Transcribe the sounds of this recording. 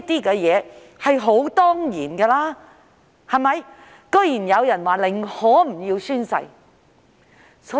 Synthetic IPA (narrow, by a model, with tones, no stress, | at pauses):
t̪iː˥kɛː˧jɛː˨˧ | hɐ˨jɦo˨˥wt̪ɔː˥ŋjiː˨˩nkɛː˧laː˥ | hɐ˨jmɐ˨j | kɵ˥jiː˨˩njɐ˨˧wjɐ˨˩nwaː˨˩lɪ˨˩ŋhɔː˨˥m̩˨˩jiː˧wsyː˥nsɐ̰˧j | sɔː˨˥